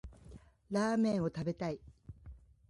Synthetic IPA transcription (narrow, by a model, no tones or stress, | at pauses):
ɾaːmẽ̞ɰ̃o̞t̪abe̞t̪ai